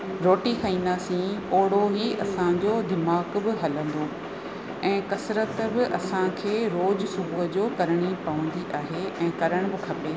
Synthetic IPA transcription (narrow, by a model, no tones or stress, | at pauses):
ɾoːʈikʰɐĩːn̆d̪asĩoːɽ̤oɦiɐ̰sãɲd͡ʑoːd̪ɪmaːkbɪɦɐlə̃nd̪o | ɛ̃ːkɐsɾət̪bɪʔɐsãkʰeːɾoːd͡ʑsʊbʱuɦd͡ʑoːkɐɾɪɽ̃ipɐʋə̃n̆d̪iʔaːɦeɛ̃ːkɐɾəɽ̃bɪkʰɐpeː